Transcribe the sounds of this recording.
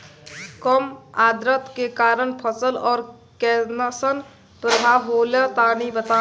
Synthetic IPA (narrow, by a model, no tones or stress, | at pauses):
kəmad̪ɾət̪kekaɾənpʰəsəlɔːɾ | kɛnəsən | pɾəbʱaɦolət̪anibət̪a